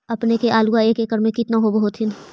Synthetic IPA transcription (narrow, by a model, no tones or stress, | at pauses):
ɐpnekeʔaːluaeːkeːkəɾmẽkɪt̪naɦobɐɦot̪ʰɪn